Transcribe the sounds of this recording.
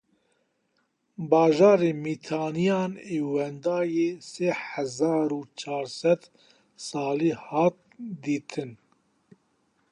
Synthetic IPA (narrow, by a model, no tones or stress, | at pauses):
bɑːʒɑːɾeːmiːt̪ʰɑːnijɑːneːwɛnd̪ɑːjeːseːhɛzɑːɾuːt͡ʃʰɑːɾsɛd̪ | sɑːliːhɑːt̪̚d̪iːt̪ʰɨn